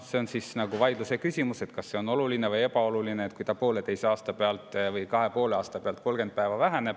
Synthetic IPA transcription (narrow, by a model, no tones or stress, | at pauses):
seonsisnɑɡ̥uvɑjd̪̥luse̞kysʲimuse̞t̪kɑsːe̞o̞no̞luline̞vɤje̞pɑo̞lulineːt̪̚ˑkujt̪ɑpo̞ːle̞t̪ejseɑːst̪ɑpe̞ɑlt̪ˑvɤjkɑɦe̞po̞ːleɑːst̪ɑpeɑlt̪̚ko̞lɡ̥e̞nd̪̥̚pæevɑvæɦene̞b̥̚